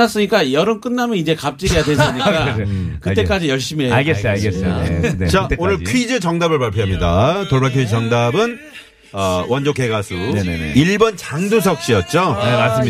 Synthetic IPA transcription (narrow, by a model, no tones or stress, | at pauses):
as͈ɯɲik͈ajʌɾɯnk͈ɯnːamjʌnid͡ʑe̞kap̚t͡ɕ͈iɡijadwe̞s͈ɯɲik͈akɯt͈e̞k͈ad͡ʑijʌɭɕ͈imeaɡeest͡ɕaonɯɭkʰid͡ʑɯt͡ɕʌŋdabɯɭpaɭpʰjoɦamɲidatoɭbaɭkʰjoit͡ɕʌŋdabɯn | ʌwʌnd͡ʑoke̞ɡasʰuiɭbʌnt͡ɕaŋdus̬ʰʌk̚ɕ͈ijʌt̚t͡ɕ͈oas